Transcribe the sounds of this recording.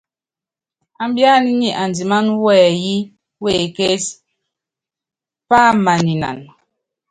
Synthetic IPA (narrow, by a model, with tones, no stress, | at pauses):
a˨m˦bja˦ni˦ɲi˨ʔa˨ndi˨ma˦nwɛː˦˨ji˦ | we˦˨ke˦s | pa˦ma˨ni˨na̰˨n